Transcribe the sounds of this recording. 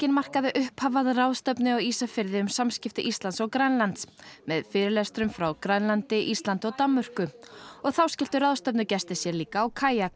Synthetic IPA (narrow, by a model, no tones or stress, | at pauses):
cɪnmar̥kaðɪʔʏhphaːvaðrawðst̪œpnɪawisafɪɾðɪʏmsamscɪft̪ɪʔist̪lant̪sɔɣkɾanlant̪smɛðfɪːɾɪlɛst̪ɾʏmfɾawkɾanlant̪ɪʔist̪lant̪ɔɣt̪amːœr̥kʏɔɣθawscɛl̥t̪ʏɾaːwðst̪œpnʏcɛst̪ɪsjɛliːkaːwkʰaːjak